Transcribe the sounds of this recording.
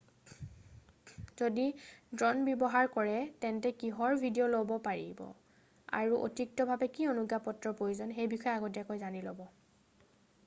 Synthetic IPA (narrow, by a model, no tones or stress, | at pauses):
zodidɹɔnbjɔbɔɦaɹkɔɹɛtɛntɛkiɦɔɹbʱidiolobɔpaɹḭbɔ̰ | a̰ɹuʔo̰tik̚tɔbʱabɛkionuɡapɔtɹɔpɹojuzɔnxejbixʰɔjɛaɡɔt̬iakojzanilobɔ